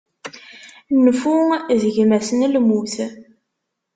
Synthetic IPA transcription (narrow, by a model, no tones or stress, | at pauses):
nfuðəʝmæsənlmuθ